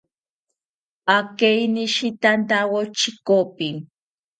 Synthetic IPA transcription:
akejnɪʃit̪ant̪awot͡ʃɪkopɪŋ

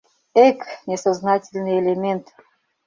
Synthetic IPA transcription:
eknʲesaznɑtʲɪlʲnɨjelʲemʲent̪

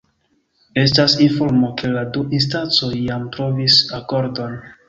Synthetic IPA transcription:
e̞stasinfo̞ɾmo̞ke̞laduʔins̬tant͡so̞jːamtɾo̞visako̞ɾdo̞n

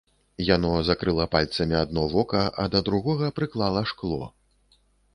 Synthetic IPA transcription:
janɔzakɾɨlˠɐpalʲt̪sɐmʲiad̪nɔvɔkɐʔɐ̰d̪ɐd̪ɾuɣɔɣɐpɾɨklˠalˠɐʂklˠɔ̰

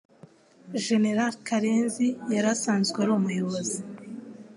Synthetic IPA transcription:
ʒe̞ne̞ɾalkʰaɾenzijaɾasaːnzɡweaɾomujo̞βozi

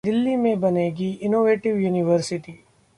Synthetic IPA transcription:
d̪ɪlːimẽbɐneɡiɪnoːʋeːʈɪʋjuːnɪʋəɾsɪʈiː

